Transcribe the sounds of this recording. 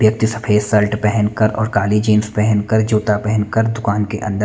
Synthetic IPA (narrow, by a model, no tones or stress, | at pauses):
bjɐk̚t̪isɐpʰeːsɐlʈpɛɦɛnkɐɾɔ̰ːɾkaːlid͡ʒeːnspɛɦɛnkɐɾd͡ʒoːt̪apɛɦɛnkəɾd̪ʊkaːnkeʔɐ̃nd̪ə